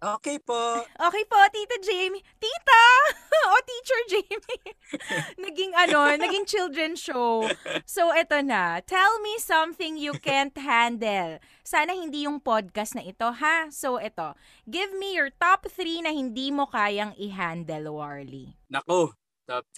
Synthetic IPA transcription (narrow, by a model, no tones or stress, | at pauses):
ʔoːkejpoʔoːkɛjpo̞t̪iːt̪ɐd͡ʒemit̪iːt̪ɐʔot̪iːt͡ʃɛɹd͡ʒemi | nɐɡɪŋɐno̞nɐɡɪŋt͡ʃɪld̪ɹɛnʃowsowʔɛt̪onɐt̪ʰɛlmisɐ̃mθɪŋjukɛnt̪ɦænd̪ɛl | saːnɐhɪnd̪ijʊŋpod̪̚kɐsnɐʔɪt̪o̞ɦasowʔɛt̪o̞ | ɡɪvmijɔɹt̪ap̚θɾinɐhɪnd̪imo̞kaːjɐŋɪɦand̪ɛlowaɹlḭnɐko | t̪ap̚